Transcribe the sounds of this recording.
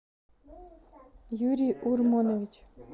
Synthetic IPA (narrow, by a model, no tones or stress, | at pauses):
juɾʲiʔurmonovʲit͡ɕ